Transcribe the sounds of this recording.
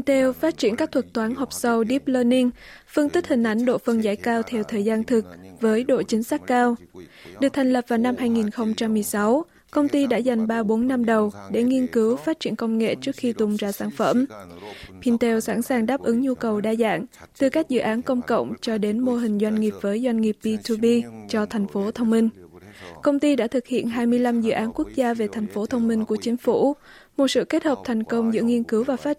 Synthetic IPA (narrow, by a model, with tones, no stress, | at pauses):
i˧nt̪e˧wfaː˦˥t̚t͡ɕḭ˧˩ənkaː˦˥k̚t̪ʰwə˨˩t̚t̪waː˨˦nɦɔ˨˩wk͡p̚sə˧wɗi˦˥p̚ləː˧ni˧ŋfɨ˧nt̪i˦˥k̚hï˨˩ŋ̟ʔa˧˩jŋ̟ɗo̰˧˨fə˧nza̰ː˧˥jkaː˧wt̪ʰɛ˧wt̪ʰəː˨˩jzaː˧nt̪ʰɨ˨˩k̚vəː˨˦jɗo̰˧˨t͡ɕï˨˦ŋ̟saː˦˥kkaː˧w | ɗɨ˨˩ək̚t̪ʰŋ̟lə˨˩p̚v̥aː˨˩wna˧mhaː˧jŋi˨˩nxə˧wŋ͡mt͡ɕa˧mːɨ˨˩əjsa˨˦w | kə˧wŋ͡mt̪i˧ɗa̰ː˧˥za˨˩jŋ̟ɓaː˧ɓo˨˦nːa˧mɗə˨˩wɗe˧˩ŋi˧ənkɨ˨˦wfaː˦˥t̚t͡ɕi˧˩ənkə˧wŋ͡mŋḛ˧˨t͡ɕɨ˦˥ək̚xi˧t̪ʊ˨˩ŋ͡mzaː˧˩saː˧˩nfə̰˧˩m | pʰi˧nt̪e˧wsa̰ː˧˥nsaː˨˩ŋɗaː˦˥p̚ʔɨ˨˦ŋɲu˧kə˨˩wɗaː˧za̰ː˧˨ŋt̪ɨ˨˩ka˦˥k̚zɨ̰˧˨ʔaː˨˦nkə˧wŋ͡mkə̰˧˨wŋ͡mt͡ɕɔ˧ɗe˨˦nmo˧ɦï˨˩ŋ̟zwa˧jŋ̟ŋi˨˩əp̚vəː˨˦jzwa˧jŋ̟ŋi˨˩əp̚bi˧t̪ʰu˧ɓi˧t͡ɕɔ˧t̪ʰɛ˨˩jŋ̟fo˨˦t̪ʰə˧wŋ͡mmï˧ŋ̟kə˧wŋ͡mt̪i˧ɗa̰ː˧˥t̪ʰɨ˨˩k̚hḭ˧˨ənɦaː˧jmɨ˧əjla˧mzɨ̰˧˨ʔaː˨˦nku˦˥ək̚zaː˧ve˨˩t̪ʰɛ˨˩jŋ̟fo˨˦t̪ʰə˧wŋ͡mmï˧ŋ̟ku˧˩ət͡ɕï˨˦ŋ̟fṵ˧˩˥ | mo˨˩t̚sɨ̰˧˨ke˦˥t̚həː˨˩p̚t̪ʰɛ˨˩jŋ̟kə˧wŋ͡mzɨ̰˧˥əŋi˧ənkɨ˨˦wvaː˨˩faː˦˥